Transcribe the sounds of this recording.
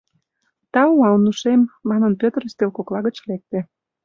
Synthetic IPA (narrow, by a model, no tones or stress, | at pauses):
t̪ɑuɑlnuʃemːɑnənpøt̪ərst̪elkoklɑɣət͡ɕlek̚t̪ĕ